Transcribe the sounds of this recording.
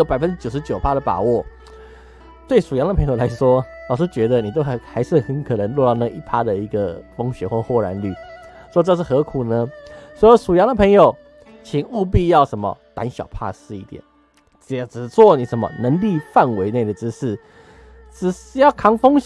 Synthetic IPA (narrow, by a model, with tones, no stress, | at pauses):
o˧˥pa˨ɪfə˦nʈ͡ʂɻ̩˥t͡ɕjo˨˩ʊʂɻt͡ɕjo˨˩ʊpʰa˦˥d̪ə˨pa̰˨˩wɔ˥˩ | t̪we˥˩ɪʂu˨˩jɑ˧˥ŋd̪ə˨pʰɤ˧˥ŋjo˨˩la˧˥ɪʂwɔ˥lɑ˨˩ʂɻ̩˥˧t͡ɕɥɛ˧˥d̪ə˨ni˨˩t̪̬o˥xxa˧˥ɪʂɻ̩˥˩˨xə˧˥nkʰɤ˨˩nə˧˥ŋlwɔ˥˧ɾɑ˥˧ʊna˨˩˨i˥˩pʰa˥d̪ə˨i˧˥ɡə˨˩fo˥ŋɕɥɛ˧˥xwɔ˥˩˧xwɔ˥˩ɻa̰˧˥nly̰˥˩ | ʂwɔ˥ʈ͡ʂɤ˥˧ʂ̬ɻ̩˥˩xɤ˧˥kʰu˨˩nə˦swɔ˥jo˧˥ʂu˨˩jɑ˧˥ŋd̪ə˨pʰə˧˥ŋjo˨˩ʊ | t͡ɕʰi˨˩˦ŋu˥˧p̬i˥˧jɑ˥˩ʊʂə˧˥nmə̰˧˨t̪a̰˧˥nɕjɑ̰˨˩ʊpʰa̰˥˧ʂɻ̩˥˧i˥˩t̪jɛ̰˨˩˦n˨˩ | ʈ͡ʂ̩˨˩t͡swɔ˥˩ni˨˩ʂə˧˥nmə̰˧nə˧˥ŋli˥˧fa˥˨nwe˧˥ɪne˥˩ɪd̪ə˩ʈ͡ʂɻ̩˥ʂ̩˥˩ | ʈ͡ʂɻ̩˨˩ʂjɑ˥˩ʊkʰɑ˥ŋfo˥ŋ